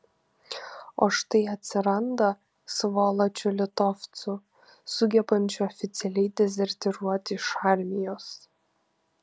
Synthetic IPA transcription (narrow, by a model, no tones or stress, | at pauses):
oːʃt̪ɐɪɐt̪ʲsʲɪɾɐnd̪ɐ | sʋoːlˠɐt͡ʃʲʊlʲɪt̪ɔft̪sʊ | sʊɡʲɛbɐnʲt͡ʃʲʊɔfʲɪt̪sʲɛlʲɛɪd̪ʲɛzʲɛɾʲt̪ʲɛɾuɔt̪ʲɪɪʃɑːˑɾʲmʲɪjoːs